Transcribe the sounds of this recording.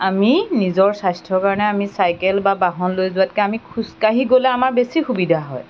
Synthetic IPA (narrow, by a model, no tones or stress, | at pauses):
aminizɔɹsastʰɔɹkaɹɔnɛamisajkɛlbabaɦɔnlojzʊat̚kɛamikʰuskaɦiɡolɛamaɹbesixubidʱaɦɔ̰j